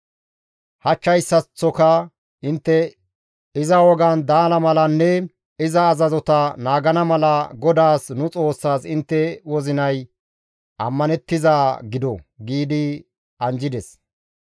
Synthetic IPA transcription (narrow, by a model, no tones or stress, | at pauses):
hɐt͡ʃːɐjsːɐt͡sːɔkɐ | ɪnt̪ːɛ | ɪzɐwɔɡɐnd̪aːlɐmɐlɐnːɛ | ɪzɐːzɐzɔt̪ɐnaːɡɐnɐmɐlɐɡɔd̪aːsnʊt͡sʼo̞ːsːaːsɪnt̪ːɛwɔzɪnɐj | ʔɐ̰mːɐnɛt̪ːɪzaːɡɪd̪ɔɡiːd̪ɪ | ɐnd͡ʒɪd̪ɛs